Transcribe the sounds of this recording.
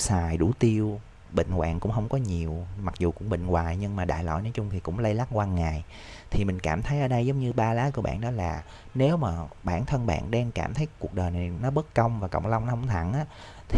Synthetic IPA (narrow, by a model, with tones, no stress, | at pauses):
saː˨˩jɗu˧˩t̪i˧əw | ɓḭ˧˨ŋ̟kwa̰ː˧˨nkʊ̰˧˥ŋ͡mɦə˧wŋ͡mkɔ˨˦ɲi˨˩əwma˨˩k̚zu˨˩kʊ̰˧˥ŋ͡mɓə̰˧˨ŋ̟waː˨˩jɲɨ˧ŋmaː˨˩ɗa̰ː˧˨jlɔ̰˧˨jnɔː˨˦jt͡ɕʊ˧ŋ͡mt̪ʰi˨˩kʊ̰˧˥ŋ͡mlə˧jla˦˥t̚kwaː˧ŋaː˨˩j | t̪ʰi˨˩mï˨˩ŋ̟kaː˧˩mt̪ʰə˨˦jʔəː˧˦ɗə˧jzə˨˦wŋ͡mɲɨ˧ɓaː˧laː˨˦ku˧əɓa̰ː˧˨nɗɔ˨˦laː˨˩ | ne˨˦wmaː˨˩ɓaː˧˩nt̪ʰə˧nɓa̰ː˧˨nɗɛː˧ŋkaː˧˩mt̪ʰə˨˦jku˨˩ək̚ɗəː˨˩jna˨˩jnɔ˨˦ɓə˦˥t̚kə˧wŋ͡mvaː˨˩kə̰˧˨wŋ͡mlə˧wŋ͡mnɔ˨˦hə˧˦wŋ͡mt̪ʰa˧˩nʔaː˨˦ | t̪ʰi˨